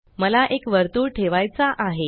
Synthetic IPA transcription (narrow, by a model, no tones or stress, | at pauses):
məlaʔekʋəɾt̪uːɾʈʰeʋajt͡saʔaɦe